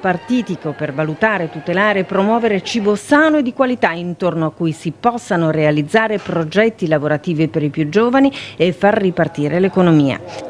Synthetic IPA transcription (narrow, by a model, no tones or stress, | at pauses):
part̪iːt̪ikopervalut̪aːɾet̪ut̪elaːɾeːpːɾomwɔːveɾet͡ʃiːbosaːnoed̪ːikwalit̪aint̪ornoakːujsipɔsːanoɾealid̪zːaːɾepɾod͡ʒɛt̪ːilavoɾat̪iːvipeɾipjud͡ʒoːvaniefːarːipart̪iːɾʔelekonomiːa̰